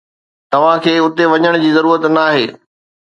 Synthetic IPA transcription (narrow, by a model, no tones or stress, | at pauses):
t̪ɐʋ̤ãkʰeːʊt̪eʋɐɲəɽ̃d͡ʑiːzɐɾuːɾət̪naːɦḛː